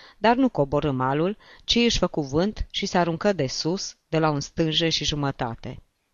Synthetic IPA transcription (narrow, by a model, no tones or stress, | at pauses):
d̪arnuko̞boɾɨmalult͡ʃiɨʃʲfəkuvɨnt̪ʃiseaɾuŋkəd̪e̞susd̪̥e̞launst̪ɨnʒe̞ʃiʒumət̪a̰t̪e̞̰